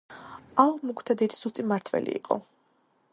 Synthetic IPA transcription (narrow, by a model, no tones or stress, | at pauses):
alˠmukʰt̪ʰad̪id̪i̥sust̪ʼimaɾt̪ʰvɛ̰lḭiqʼɔ̰